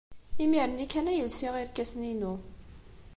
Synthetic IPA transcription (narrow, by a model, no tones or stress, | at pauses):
imiɾənikːænæjəlsiʁiɾkæsninu